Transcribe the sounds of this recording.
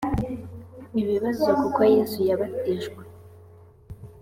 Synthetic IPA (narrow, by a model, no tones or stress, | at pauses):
iβiβazokukojezujaβateʒɡwe